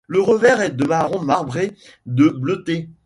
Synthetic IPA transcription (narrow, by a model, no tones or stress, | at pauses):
ləʁəvɛʁɛd̪əmaʁɔ̃maʁbʁe | d̪əblət̪e